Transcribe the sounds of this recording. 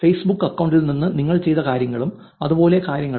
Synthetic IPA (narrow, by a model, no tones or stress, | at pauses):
fejsbukːɐkːɐwɳɖilninːɨniŋːɐɭt͡ɕe̞jt̪ɐkaːɾjɐŋːɐɭum | ɐðubo̞ːle̞kaːɾjɐŋːɐ